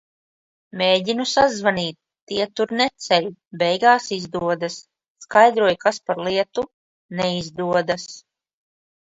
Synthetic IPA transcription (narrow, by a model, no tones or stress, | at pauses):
mʲeːɟinusazvaniːt̪ːiɛt̪uɾnɛt̪sɛlubɛjɡaːsizd̪uɔd̪asː | kajd̪ɾuɔjkaspaɾlˠiɛt̪u | nɛizd̪uɔd̪as